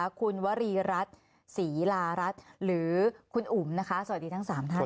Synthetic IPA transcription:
kʰu˧nwa˦˥ɾiː˧ɾa˦˥t̪̚ | siː˩˦laː˧ɾa˦˥t̪̚ɾɯː˩˦kʰu˧nʔu˩˦mna˦˥kʰa˦˥sa˧wa˩diː˧t̪ʰa˥ŋsaː˨˩˦mt̪ʰa˦˥

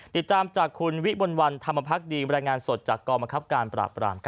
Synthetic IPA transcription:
t̪i˨˩t̪ːaː˧mt͡ɕaː˨˩kʰːu˧nwi˦˥bo˧nwa˧nt̪ʰa˧mːa˧pʰa˦˥k̚diː˧ɾaː˧jŋaː˧nso˨˩t̪̚t͡ɕaː˨˩kːɔː˧ba˧nkʰa˦˥p̚kaː˧npɾa̰ː˨˩pɾa̰ː˧mkʰ

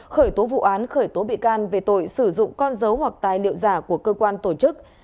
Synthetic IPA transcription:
xəː˧˩jt̪o˨˦vṵ˧˨ʔaː˨˦nxəː˧˩jt̪o˨˦ɓḭ˧˨kaː˧nve˨˩t̪o̰˧˨jsɨ˧˩zʊ̰˧˨ŋ͡mkɔ˧nzə˨˦whwa˨˩k̚t̪aː˨˩jlḭ˧˨əwzaː˧˩ku˧˩əkəː˧kwaː˧nt̪o˧˩t͡ɕɨ˦˥k̚

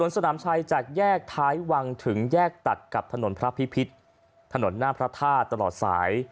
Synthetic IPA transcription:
su˨˩˦ənsa˧naː˩˦mt͡ɕʰa˧jt͡ɕaː˨˩k̚jɛː˥˩k̚t̪ʰaː˦˥jwa˧ŋt̪ʰɯ˩˦ŋjɛː˥˩k̚t̪a˨˩t̪̚ka˨˩p̚t̪ʰa˧no˩˦npʰɾa˦˥pʰi˦˥pʰi˦˥t̪̚ | t̪ʰːa˧no˩˦nːaː˥˩pʰɾa˦˥t̪ʰaː˥˩t̪ːa˧lɔ̰ː˨˩t̪̚sa̰ː˩˦j

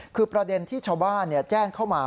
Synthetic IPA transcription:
kʰɯː˧pɾa˧de˧nt̪ʰiː˥˩t͡ɕʰaː˧wbaː˥˩nːi˥˩ɐt͡ɕɛː˥˩ŋkʰa˥˩wmaː˧

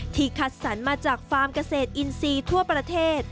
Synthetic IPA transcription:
t̪ʰiː˨˧˩kʰa˨˩t̪̚sa˩˦nmaː˧t͡ɕaː˨˩k̚faː˧mka˧seː˨˩t̪̚ʔi˧nsiː˧t̪ʰu˥˩ɐpɾa˧t̪ʰeː˥˩t̪̚

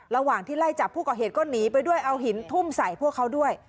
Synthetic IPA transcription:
ɾa˧waː˨˩ŋt̪ʰiː˥˩la˥˩jt͡ɕa˨˩pʰːuː˥˩kɔː˨˩ɦeː˨˩t̪̚kʰo˥˩nːiː˦˥pa˧jdu˥˩əjʔa˧wɦi˨˩˦nt̪ʰu˥˩msa˨˩jpʰu˥˩əkʰːa˦˥wdu˥˩əj

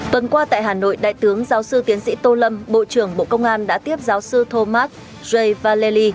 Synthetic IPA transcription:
t̪ə˨˩nkwaː˧t̪a̰ː˧˨jɦaː˨˩no̰˧˨jɗa̰ː˧˨jt̪ɨ˨˦əŋzaː˨˦wsɨ˧t̪i˨˦ənsḭ˧˥t̪o˧lə˧mɓo̰˧˨t͡ɕɨ˧˩əŋɓo̰˧˨kə˧wŋ͡mʔaː˧nɗa̰ː˧˥t̪i˦˥əp̚zaː˨˦wsɨ˧t̪ʰo˧maː˦˥t̚ | zə˧jvaː˧lɛ˧li˧

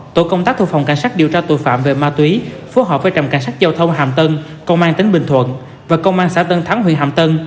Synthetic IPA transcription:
t̪o̰˧˩˨jkə˧wŋ͡mt̪aː˦˥k̚t̪ʰu˧˨˩fa˨˩ŋ͡mka˧˩jŋ̟saː˦˥k̚ɗi˨˩əwt͡ɕaː˧t̪o̰˧˨jfa̰ː˧˨mve˨˩maː˧t̪wi˨˦fo˨˦ɦɔ˨˧˩p̚vaː˧˩jt͡ɕa˨˩ŋ͡mka̰˧˩jŋ̟saː˦˥k̚zaː˧wt̪ʰə˧wŋ͡mɦa̰ː˧˨mt̪ə˧n | kə˧wŋ͡mʔaː˧nt̪ï˨˦ŋ̟ɓï˨˩ŋ̟t̪ʰwə̰˧˨n | vaː˨˩kə˧wŋ͡mʔaː˧ŋsa̰ː˧˥t̪ə˧nt̪ʰaː˨˦ŋɦḭ˧˨ənɦa̰ː˧˨mt̪ə˧n

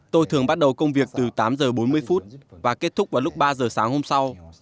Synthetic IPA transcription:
t̪o˧jt̪ʰɨ˨˩əŋɓa˦˥t̚ɗə˨˩wkə˧wŋ͡mvi˨˩ək̚t̪ɨ˨˩t̪aː˨˦mzəː˨˩ɓo˨˦nmɨ˧əjfu˦˥t̚vaː˨˩ke˦˥t̚t̪ʰʊ˦˥k͡p̚vaː˨˩wlʊ˦˥k͡p̚ɓaː˧zəː˨˩saː˨˦ŋho˧msa˧w

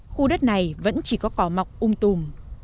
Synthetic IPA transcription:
xu˧ɗə˦˥t̚na˨˩jvə̰˧˥nt͡ɕi˧˩kɔ˨˦kɔ˨˦ma˨˩wk͡p̚ʔʊ˧ŋ͡mt̪u˨˩m

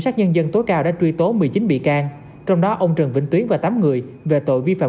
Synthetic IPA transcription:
saː˦˥k̚ɲə˧nzə˧nt̪o˨˦jkaː˧wɗa̰ː˧˥t͡ɕwi˧t̪o˨˦mɨ˨˩əjt͡ɕi˨˦nɓḭ˧˨kaː˧ŋ | t͡ɕɔ˧wŋ͡mɗɔ˨˦ʔə˧wŋ͡mt͡ɕə˨˩nvḭ˧˨ŋt̪wi˨˦əŋvaː˨˩t̪aː˨˦mŋɨ˨˩əjve˨˩t̪o̰˧˨jvi˧fa̰ː˧˨

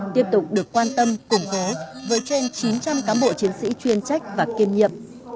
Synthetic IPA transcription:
t̪i˦˥əp̚t̪ʊ˨˩k͡p̚ɗɨ˨˩ək̚ːwaː˧nt̪ə˧mkʊ˨˩ŋ͡mko˨˦vəː˨˦jt͡ɕwe˧nt͡ɕi˨˦nt͡ɕa˧mkaː˨˦nɓo̰˧˨t͡ɕi˨˦ənsḭ˧˥t͡ɕwi˧ənt͡ɕa˦˥jk̟̚vaː˨˩ki˧mɲḭ˧˨əʔ

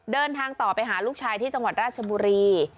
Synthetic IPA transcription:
dɤː˧nt̪ʰaː˧ŋt̪ɔː˨˩pa˧jɦaː˩˦luː˥˩k̚t͡ɕʰaː˧jt̪ʰiː˥˩t͡ɕa˧ŋwa˨˩t̪̚ɾaː˥˩t̪̚t͡ɕʰa˧buː˧ɾiː˧

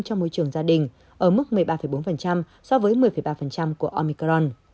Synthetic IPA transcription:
t͡ɕɔ˧ŋ͡mmo˧˦jt͡ɕɨ˧˩əŋzaː˧ɗï˨˩ŋ̟ | ʔəː˧˩mɨ˦˥k̚mɨ˨˩əjɓaː˧fə˧˩jɓo˨˦nfə˨˩nt͡ɕa˧m | sɔ˧vəː˨˦jmɨ˨˩əjfə˧˩jɓaː˧fə˨˩nt͡ɕa˧mku˧˩əʔɔ˧mi˧kɗɔ˧n

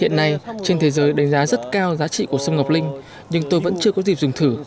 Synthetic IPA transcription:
hḭ˧˨ənːa˧jt͡ɕe˧nt̪ʰe˨˦jzəː˨˦jɗa˨˦jŋ̟zaː˨˦zə˦˥t̚kaː˧wzaː˨˦t͡ɕḭ˧˨ku˧˩əsə˧wŋ͡mŋə˨˩wk͡p̚lï˧ŋ̟ | ɲɨ˧ŋt̪o˧jvə̰˧˥nt͡ɕɨ˧əkɔ˨˦zi˨˩p̚zʊ˨˩ŋ͡mt̪ʰɨ˧˩

